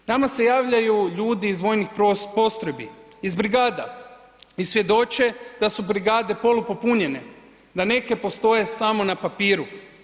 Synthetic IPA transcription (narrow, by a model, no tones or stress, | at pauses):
namase̞jaːʋʎajuʎuːd̪iːzʋo̞ːjnixpo̞st̪ɾo̞jbi | izbɾiɡaːd̪a | isʋje̞d̪o̞t͡ʃe̞d̪asubɾiɡaːd̪e̞po̞lupo̞puɲe̞ne̞ | d̪ane̞ke̞po̞st̪o̞je̞samo̞napapiːɾu